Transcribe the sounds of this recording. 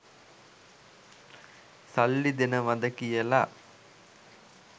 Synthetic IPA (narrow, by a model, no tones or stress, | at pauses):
sɐlːid̪inɐʋɐd̪ɐkijela